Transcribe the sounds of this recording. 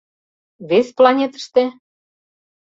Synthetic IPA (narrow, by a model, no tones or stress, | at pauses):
βesplɑnʲet̪ə̥ʃt̪e